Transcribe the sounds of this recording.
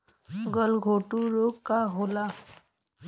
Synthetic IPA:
ɡəlɡʱoʈuɾoɡkaɦola

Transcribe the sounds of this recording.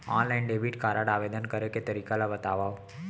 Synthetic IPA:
ɔ̰nlainɖebʱiʈkaɾaɽaʋed̪ənkəɾeket̪əɾikalaʋət̪aʋaʋ

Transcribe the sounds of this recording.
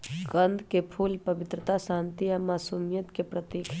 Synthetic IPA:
ɡə̃nd̪ʱkepʰuːlpəbɪt̪ɾət̪asãːnt̪iamaːsumijət̪kepɾət̪iːkʰ

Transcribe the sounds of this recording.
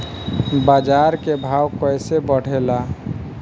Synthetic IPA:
bad͡ʒaɾkebʱawkəɪsebəɽ̤ela

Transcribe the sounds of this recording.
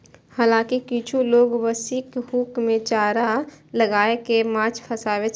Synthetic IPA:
haːlãːkikiːt͡ʃʰuloːɡʋəsikɦuːkmẽt͡ʃaːɾaləɡaːekemãːt͡ʃpʰɐsaːwe

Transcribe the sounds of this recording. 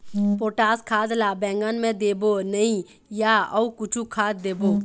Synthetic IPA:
poːʈaːskʰaːd̪labɛ̃ːŋɡənmẽd̪eːbonəĩ | jaəukʊt͡ʃʰukʰaːt̪̚d̪eːboː

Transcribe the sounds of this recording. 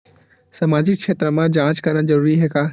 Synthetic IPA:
sɐmaːd͡ʒɪkʃeːt̪ɾəmãd͡ʒãːt͡ʃkɐɾnad͡ʒɐɾuːɾiɦɛːkaː

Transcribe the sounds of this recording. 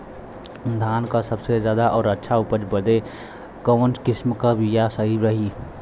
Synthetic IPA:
d̪ʱaːnkasəbsezjaːd̪aʔɔːɾətːʃʰaupəd͡ʒbəd̪e | kəːnskɪsmkabʱijasəɦiɾəɦi

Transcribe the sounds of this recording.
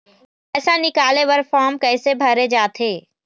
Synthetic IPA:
ɛːsãnɪkaːleʋɐɾfaːɾmkɛːsebʱɐɾed͡ʒaːt̪ʰeː

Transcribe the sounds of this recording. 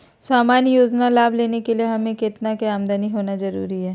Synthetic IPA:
saːmaːnjoːd͡ʒnalaːbleːnekelieɦɐmẽkɪt̪nakeaːmd̪aniɦoːnazɐɾṵːɾiɦɛː

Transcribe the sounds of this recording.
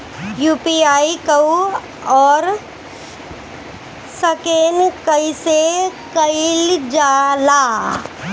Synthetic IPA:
juːpiaːikəw | ɔːɾ | səkeːnkəisekəɪld͡ʒaːla

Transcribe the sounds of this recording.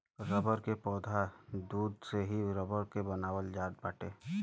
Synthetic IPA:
ɾəbəɾkepɔːd̪ʱad̪uːd̪seɦiɾəbəɾkebənaːwəld͡ʒaːd̚baːʈeː

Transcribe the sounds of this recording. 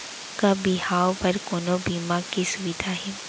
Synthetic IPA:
kabɪɦaːwpɐɾkoːnobiːmakisʊʋɪd̪ʱaɦɛː

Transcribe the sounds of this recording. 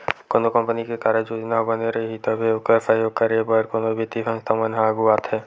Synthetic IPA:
koːnokə̃mpənikekaːɾənd͡ʒoːd͡ʒnaɦbəneɾɐɦiɦit̪ɐbʱeokəɾpajokkəɾebəɾkonobʱit̪ifʰə̃ŋst̪ʰamənɦaɡuaːt̪ɦɛː

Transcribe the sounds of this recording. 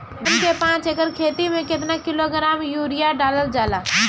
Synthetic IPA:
nkepãːt͡ʃekəɾkʰeːt̪imẽket̪nakɪloɡɾaːmjuːɾijaɖaːləld͡ʒaːla

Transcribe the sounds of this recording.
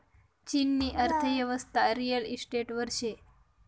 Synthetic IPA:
t͡ɕinːiːʔəɾt̪ʰəʋjəʋəst̪ʰaɾijəlisʈeʈʋəɾʃe

